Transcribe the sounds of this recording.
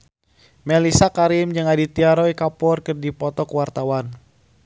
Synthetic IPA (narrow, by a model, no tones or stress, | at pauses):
mɛlisakaɾimd͡ʒɨŋadit̪iaɾɔikapɔrkɨrdipɔt̪ɔkwart̪awan